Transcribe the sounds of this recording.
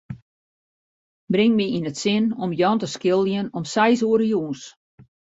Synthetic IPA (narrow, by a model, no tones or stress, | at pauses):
brɪŋmiinətsɪnɔmjɔntəskɪlˠjənɔmsɛjsuəɾəjuːns